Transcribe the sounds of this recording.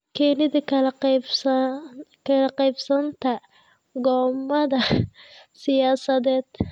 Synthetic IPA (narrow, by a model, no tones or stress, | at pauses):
kʰɛːnɪðɐkʰɐl | kʰɐlɐqɛjbsɐnt̪ʰɐ | ɡɔːmɐðɐ | sɪjaːsɐðɛːd̪̥